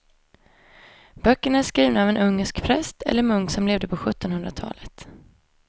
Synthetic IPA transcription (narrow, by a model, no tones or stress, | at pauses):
b̥œkːəɳæʂkɾiːvnaːvɛnɵŋːəʂkpʰɾɛst̪ʰɛ̰lːəɾmɵŋksɔmleːvd̪əpʰɔɧɵt̪ːɔnɵnd̪ɾat̪ʰɑ̰ːlət̪